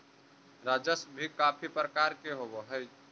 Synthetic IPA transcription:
ɾaːd͡ʒəsbʱikaːpʰipɾəkaːɾkeɦowoɦɛj

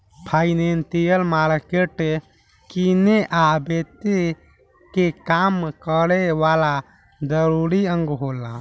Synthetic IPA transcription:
pʰaːjnent̪ijəlmaːɾkeʈe | kineʔabet̪e | kekaːmkəɾeʋala | d̪əɾuɾiə̃ŋɡɦola̰

